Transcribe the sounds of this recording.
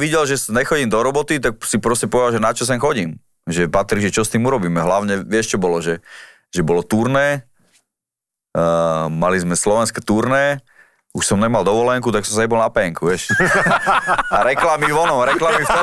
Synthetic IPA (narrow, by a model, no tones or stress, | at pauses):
ʋiɟɛlʒɛsɲɛxɔɟiːmd̪ɔɾɔbɔt̪it̪ak̚sipɾɔscɛpɔʋɛd̪alʒɛnat͡ʃɔs̬ɛnxɔɟiːm | ʒɛpat̪ɾiʒɛt͡ʃɔst̪iːmuɾɔbiːmɛɦlaʊɲɛʋɪɛʃt͡ʃɔbɔlɔʒɛ | ʒɛbɔlɔt̪uɾnɛː | malizmɛslɔʋɛnskɛːt̪uɾnɛː | uʃsɔmɲɛmald̪ɔʋɔlɛŋkut̪aksɔ̃msɲɛbɔlnapɛŋkuʋɪɛʃ | aɾɛklamiʋɔnɔɾɛklamifɛ